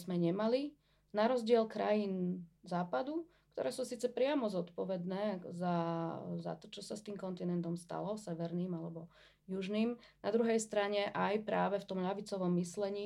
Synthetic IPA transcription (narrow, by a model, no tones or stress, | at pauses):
zmɛɲɛmali | naɾɔzɟɪɛlkɾajiːnzaːpad̪u | k̚t̪ɔ̰ɾɛːsuːsiːt͡sɛpɾɪamɔzɔt̪pɔʋɛd̪nɛːzaza̰t̪ɔt͡ʃɔsast̪iːmkɔnt̪inɛnt̪ɔmst̪a̰lɔsɛʋɛɾniːmalɛbɔ | juʒniːmnad̪ɾuɦɛjst̪ɾaɲɛʔajpɾaːʋɛft̪ɔmʎaʋit͡sɔʋɔmːislɛɲiː